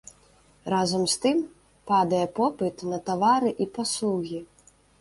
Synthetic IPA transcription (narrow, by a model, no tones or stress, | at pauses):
razɐmst̪ɨm | pad̪ɐjɛpɔpɨt̪nɐt̪avaɾɨʔipaslˠuɣʲi